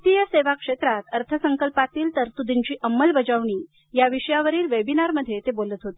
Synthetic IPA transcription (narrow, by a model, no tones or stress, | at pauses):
t̪ijaseʋakʂet̪ɾat̪əɾt̪ʰəsəŋkəlpat̪iːlt̪əɾt̪ud̪ʱiɲt͡ɕiːʔəmːəlbəd͡zəʋɳ̃iː | jaʋiʂəjaʋəɾiːlʋebinaɾməd̪ʱːjet̪ebolət̪ɦot̪e̥